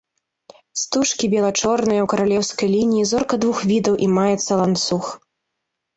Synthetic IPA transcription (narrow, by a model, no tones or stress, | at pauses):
st̪uʂkʲibʲɛlˠat͡ʂɔrnɨjɐwkɐɾalʲɛwskɐjlʲinʲijizɔrkɐd̪vuxvʲid̪ɐwʔimajɛt̪sːɐlˠant̪sux